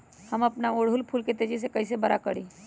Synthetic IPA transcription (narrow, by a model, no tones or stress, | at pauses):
həmɐpnaoːɽɦʊlpʰuːlket̪ed͡ʒis̬ekɐis̬ebəɾa̰kəɽiː